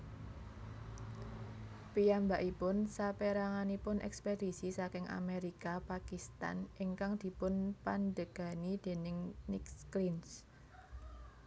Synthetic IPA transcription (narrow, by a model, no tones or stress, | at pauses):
pijambaʔipʊnsapeɾaŋanipʊnʔɛ̰ksped̪isisakɪŋa̰meɾikapakist̪a̰niŋkaŋd̪̥i̤pʊnpandəɡ̥a̤nid̪̥e̤nɪŋnɪkskɾins